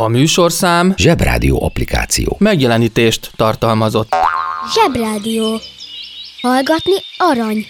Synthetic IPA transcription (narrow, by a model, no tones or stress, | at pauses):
ɒmyːʃo̞rsaːmʒɛbra̰ːd̪ijo̰ːɒplika̰ːt̪sijo̰ːmɛɡjɛlɛniːt̪eːʃt̪ːɒrt̪ɒlmɒzo̞t̪ːʒɛbraːd̪ijoː | hɒlɡɒt̪niɒɾɒɲ